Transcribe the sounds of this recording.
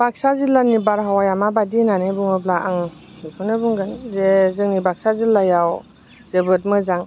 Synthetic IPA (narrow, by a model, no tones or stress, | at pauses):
b̥ak̚sazilːanibaɾɦawajamabadinanɯbuŋɯblaʔaŋ | ipʰɯnɯbuŋɡɯnzezɯŋnibak̚sazilːajaw | zɯbɯt̚mɯzaŋ